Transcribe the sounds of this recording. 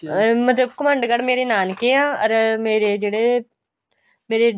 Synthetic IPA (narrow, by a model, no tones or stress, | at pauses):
mət̪ləb̚kəmə̃ɳɖɡəɽmeːɾeːnaːnkeːãːəɾmeːɾeːd͡ʒeːɽeː | meːɾeː